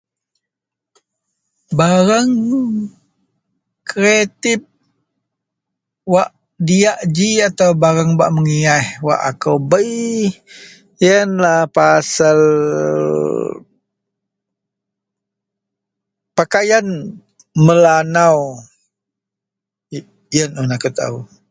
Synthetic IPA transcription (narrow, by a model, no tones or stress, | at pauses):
baɾaŋ | kɾet̪ɪp̚ | waʔ | diaʔd͡ʒiat̪awbaɾaŋba̰ʔməŋiahwa̰ʔa̰kəwbəj | jənlahpasal | pakajan | məlanaw | jənunakət̪a̰u